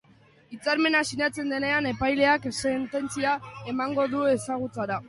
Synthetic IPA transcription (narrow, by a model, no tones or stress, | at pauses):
it͡saɾme̞nasinat͡se̞nd̪e̞ne̞ane̞pajle̞akse̞nt̪e̞nt͡siae̞maŋɡo̞ðue̞saɣ̞ut͡saɾa